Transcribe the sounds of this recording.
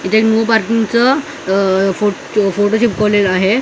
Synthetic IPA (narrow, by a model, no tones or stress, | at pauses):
it̪aeknupaɾkĩŋɡt͡sə | fo | foʈoɕip̚kɔʋlelaɦe